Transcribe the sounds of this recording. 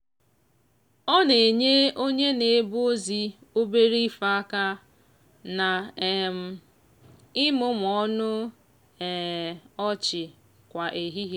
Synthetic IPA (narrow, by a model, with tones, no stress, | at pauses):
ɔ˦ne˨ɲe˦o˦ɲe˦ne˨˦bu˦o˦zi˦ | o˦be˦ɾi˦fa˦ka˦ | na˨˦m̩˨ | ɪ˦mʊ˦m˨ɔ˦nʊ˦ | ɛ˨ɔ˦t͡ʃɪ˨ | kʷa˨ʔe˨ɦi˦ɦe˦